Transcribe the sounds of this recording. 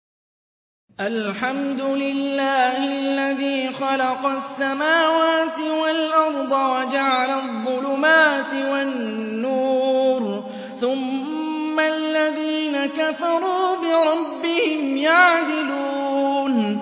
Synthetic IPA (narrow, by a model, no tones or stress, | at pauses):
ʔalħamd̪ʊlɪlːaːhɪlːaðiːxɑlɑqɑsːamaːwaːt̪ɪwalʔɑɾˤd̪ˤɑwad͡ʒaʕalaðˤːʊlʊmaːt̪ɪwanːuːɾ | θʊmː | alːaðiːnakafɑɾˤuːbɪɾˤɑbːɪhɪmjaʕd̪ɪluːn